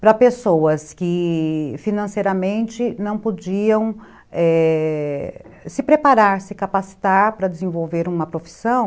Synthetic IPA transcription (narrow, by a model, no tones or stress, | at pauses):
pɾɐpesowɐskɪfinɐ̃sejɾɐmẽnt͡ʃɪnɐ̃w̃pod͡ʒiɐ̃w̃ | ɛ | sɪpɾepaɾaɾsɪkapasi̥t̪aɾpɾɐd̪ɪzẽvowveɾũmɐpɾofi̥sɐ̃w̃